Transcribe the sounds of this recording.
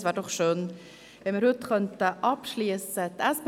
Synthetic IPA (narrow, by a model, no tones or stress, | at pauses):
svɛːɾdɔχʃøːn | vɛməɾhʉtkʰœntəʔɑpʃliːəsət̪ɛsp